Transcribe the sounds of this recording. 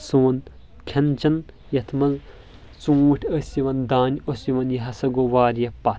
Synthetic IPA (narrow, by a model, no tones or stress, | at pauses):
suːn | kʲʰɐnt͡ʃʰɐn | jɐt̪ʰmɐz | t͡sũːʈʰəsiʋɐnd̪aːnʲosjiʋɐnjɐɦɐsɐɡoʋaːɾjɐpːɐ